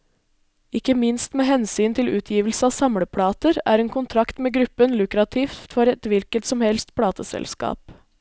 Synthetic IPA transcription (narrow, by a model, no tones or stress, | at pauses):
ɪkəmɪnst̪meːhɛnsyːnt̪ʰɪlʉːt̪ʰjiːʋəlsəɑːsɑmɽəpʰɽɑːt̪əɾæ̰ːɾeːŋkʰʊnt̪ʰɾɑkt̪meːɡɾʉpːənlʉkɾɑt̪ʰiːft̪fɔɾɛt̪ʋɪlkət̪sɔmhɛlst̪pʰɽɑːt̪əsɛ̰lskɑ̰ːp